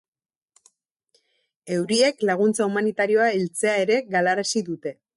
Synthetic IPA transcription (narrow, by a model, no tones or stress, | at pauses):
e̞wɾie̞klaɣ̞unt͡saumanit̪aɾio̞ailt͡se̞ae̞ɾe̞ɣalaɾasiðut̪e̞